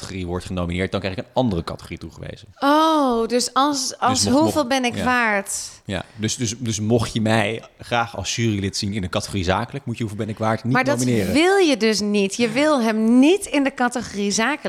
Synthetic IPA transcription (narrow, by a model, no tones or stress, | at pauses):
tχoriʋɔɹtχənowminɪːɹt̚dɑnŋkrɛɪkənɑndərəkɑ̰tə̥χorituχəʋḛjzəowdøsɑlˠsɑlˠsɦuvɪːlˠbɛnɪkʋaːɹtja̰døsdøsdɵsmɔχjəmɛjχraːχɑ̰lˠsʃyːrilɪtsinɪndəkɑtə̥χorizaːkələkmutjəɦuvɪlˠbɛnɪkʋaːɹtnimaːɹdɑminɪːrəʋɪlˠjədøs̬nitjəʋɪlˠɦɛmnitɪndəkɑtəχorizaːkəl